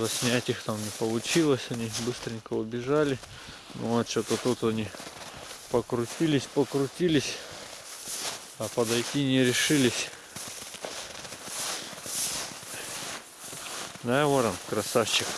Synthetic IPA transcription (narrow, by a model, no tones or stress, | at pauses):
zɐsʲnʲætʲixt̪amnʲɪpəlˠʊt͡ɕilˠəsʲɐnʲibɨst̪ɾʲɪnʲkəʊbʲɪʐalʲɪ | noot̪t͡ɕot̪ət̪ut̪ɐnʲi | pəkɾʊtʲilʲɪsʲpəkɾʊtʲilʲɪsʲ | apəd̪ɐjtʲinʲɪɾʲɪʂɨlʲɪsʲ | d̪avoɾənkɾɐsaft͡ɕːɪx